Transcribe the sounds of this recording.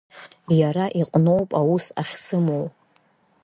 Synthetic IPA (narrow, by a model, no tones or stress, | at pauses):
jaɾaʔiqʼno̞wpʼawusaχʲsɨmow